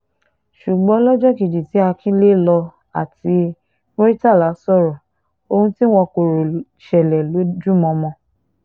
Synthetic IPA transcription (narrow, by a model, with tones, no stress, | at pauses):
ʃu˨ɡ͡bɔ̃˨˦lɔ˦d͡ʒɔ˦ki˨d͡ʒi˨ti˨˦a˧kʰĩ˦le˦lɔ˧ | a̰˨ti˨˧˦ | mo˦ɾi˦ta˦˨la˨˦sɔ˦˨ɾɔ˨ | o˧hũ˧ti˦w̃ɔ̃˧ko˨ɾo˨ | ʃɛ˨lɛ˨lo˨˦d͡ʒu˦mɔ̃˧mɔ̃˧